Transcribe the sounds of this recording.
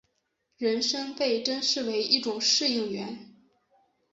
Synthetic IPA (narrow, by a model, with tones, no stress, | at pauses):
ɻə˧˥nʂɤ˥ŋpe˥˩ɪʈ͡ʂə˥nʂɻ̩˥˩we˧˥ɪi˥˩ʈ͡ʂʊ˨˩ŋʂɻ̩˥˧i˥˩ŋɥɛ˧˥n